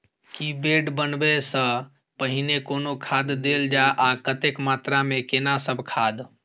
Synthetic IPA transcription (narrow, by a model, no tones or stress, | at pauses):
kibeɖbənbesə̃ | pəɦinekonokʰad̪d̪eld͡ʒaʔakət̪ekmat̪ɾamekenasəbʱkʰad̪